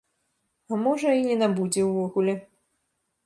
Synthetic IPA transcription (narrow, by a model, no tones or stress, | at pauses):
amɔʐɐinʲɛnabud͡zʲɛwvɔɣulʲɛ